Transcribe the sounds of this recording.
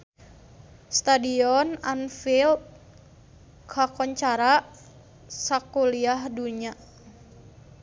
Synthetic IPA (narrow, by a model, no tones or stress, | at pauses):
st̪adiɔnanfilt̚ | kʰakɔɲt͡ʃaɾaʔ | sakuliahduɲa